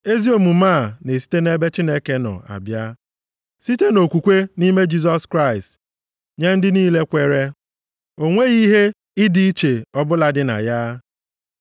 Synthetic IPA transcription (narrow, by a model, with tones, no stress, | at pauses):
e˦zi˦o˨mu˨ma˦˨ne˨si̥˦te˦ne˦be˦t͡ʃi˦ne˦ke˦nɔ̰˨a̰˨bja˦ | si˦te˦no˨kʷu˨kʷe˦ni˦me˦d͡ʒi˦z̬ɔ˦skɾa˦˨ɪ˨st | ɲe˦n̩˦dɪ˦niː˦le˦kʷe˦ɾe˦ | o˦ŋʷe˦ɣi˦ɦe˦ | i˦di˦i˦t͡ʃe˨ɔ˦bʊ˦la˨dɪ˦na̰˨ja˦